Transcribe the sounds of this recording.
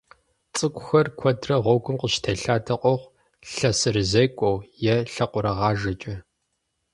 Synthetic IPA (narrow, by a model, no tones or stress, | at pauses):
t͡sʼɨkʷʼʊxɐrkʷʰɔdrɐʁʷɔɡʷʊmqʷəɕtʰɐɬaːdʰɐqʷɔʁʷ | ɬɐsɨrɨzekʷʼowjɛɬɐqʷʊɾɐʁɑːʒɐt͡ʃʼɐ